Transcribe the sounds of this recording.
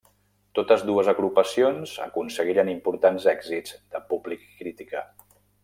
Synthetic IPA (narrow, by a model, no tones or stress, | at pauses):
t̪ot̪əzðuəzəɣɾupəsionzə̰kunsəɣ̞iɾənimpuɾt̪anzɛɡzizd̪əpublikːɾit̪ikə